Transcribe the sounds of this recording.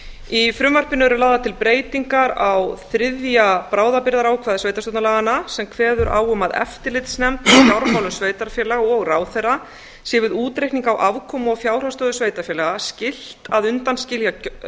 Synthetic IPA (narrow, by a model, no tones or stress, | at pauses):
ifɾʏmvar̥pɪnʏvɛɾʏlaːwðat̪ʰɪlpɾeːjt̪iŋkaɾawθɾɪðjapɾaːwðapɪɾðaɾaːwkʰvaːðɪsveːjt̪ast̪ɔːt̪nalaːɣanasɛmkʰvɛːðʏɾʔa̰ːwʏmaðɛ̰ft̪ɪlɪt̪snɛmt̪fjawɾfawlʏmsveːjt̪aɾfjɛlaɣaɔɣraːwθɛra | sjɛvɪðuːt̪ɾejkniŋkawʔavkʰɔmɔɣfjaːwr̥ast̪œːðʏsveːjt̪aɾfjɛːlaɣascɪl̥t̪aðʏnt̪anscɪlja